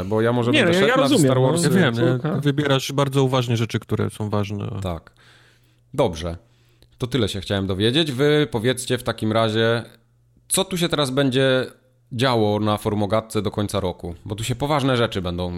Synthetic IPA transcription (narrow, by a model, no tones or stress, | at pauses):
bɔjamɔʐɛbɲɛɛtjaɾɔnazusʲjɛt̪aɾwɔɾsjavjɛmɛvɨbʲjɛɾaʂbaɾd̪zɔuvaʐɲɛʐɛt͡ʂɘkt̪uɾɛ̰sɔ̃w̃vaʐnɛ̰t̪ak | d̪ɔbʐɛ | t̪ɔt̪ɘlɛɕɛxt͡ɕawɛmd̪ɔvʲjed͡ʑed͡ʑvɘpɔvʲjɛt̪st͡ɕɛft̪akʲimɾaʑɛ | t̪sɔt̪uɕ̬ɛt̪ɛɾazbɛɲd͡ʑɛ | d͡ʑawɔnafɔɾmɔɡat̪̚t̪sɛd̪ɔkɔɲt̪saɾɔkubɔt̪uɕɛpɔvaʐnɛʐɛt͡ʂɘbɛnd̪ɔ̃w̃